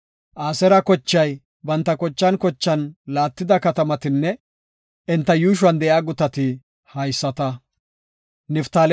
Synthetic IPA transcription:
ʔaːsɛɾɐkɔt͡ʃːɐj | bɐnt̪ːɐkɔt͡ʃːɐnkɔt͡ʃːɐnlaːt̪ːɪd̪ɐkɐt̪ɐmɐt̪ɪnːɛ | ɪnt̪ːɐjuːʃ̬wɐnd̪ɛʔjaːɡʊt̪ɐt̪ɪ | hɐjsːɐt̪ɐ | nɪft̪aːl

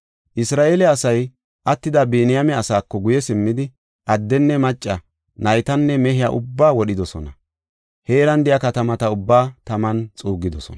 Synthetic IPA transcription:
ʔɪsɾaːʔeːlɛɐsɐj | ʔɐt̪ːɪd̪ɐbeːnɪjɐmɛɐsaːkːɔɡʊjɛsɪmːɪd̪ɪ | ʔɐd̪ːɛnːɛmɐt͡ʃʼːɐ | nɐjt̪ɐnːɛmɛɦɪjaːʔʊ̰bːaːwɔɗɪd̪ɔsɔnɐ | heːɾɐnd̪ɪjakɐt̪ɐmɐt̪ɐʊbːaːt̪ɐmɐnt͡sʼuːɡɪd̪ɔsɔ̰n

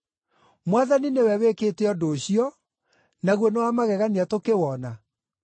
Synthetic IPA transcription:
mwaðaninewɛweketɛɔdoːɕiɔ | naɣwɔnewamaɣɛɣaniatokewɔna

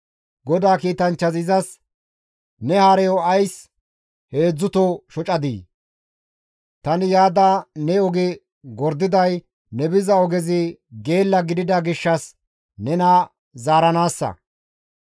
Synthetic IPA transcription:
ɡɔd̪aːkiːt̪ɐnt͡ʃːɐzɪzɐs | nɛhaːɾɛjɔɐjs | he̞ːd͡zːʊt̪ɔʃɔt͡ʃʼɐd̪ḭː | t̪ɐnɪjaːd̪aːnɛɔɡɪ | ɡɔɾd̪ɪd̪ɐj | nɛbɪzɐɔɡɛzɪɡe̞ːlːɐɡɪd̪ɪd̪ɐɡɪʃːɐs | nɛnɐ | zaːɾɐnaːsːɐ̰

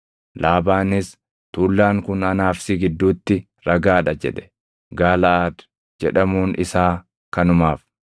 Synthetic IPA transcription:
laːbaːnɪs | t̪uːlːaːŋkʊnɐnaːfsɪɡɪd̪ːuːt̪ːɪ | ɾɐɡaːᶑɐd͡ʒɛ̰ᶑɛ̥ | ɡaːlɐʔaːd̪ | d͡ʒɛᶑɐmuːnʔɪsaː | kɐnʊmaːf

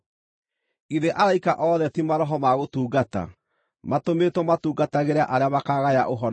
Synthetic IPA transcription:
iðeʔaɾaikaʔɔːðɛtimaɾɔɦɔmaɣotuːɡata̰ | matometwɔmatuːɡataɣeɾeaʔaɾeamakaɣaja̰ʔoɦɔn

